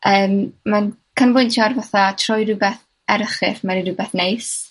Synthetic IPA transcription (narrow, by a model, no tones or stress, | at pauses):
ʔəːmmankʰənvʊntʰjarvaθatʰrɔjɾʊbɛθ | ɛɾəχɪfmaɾiɾʊbɛθnejs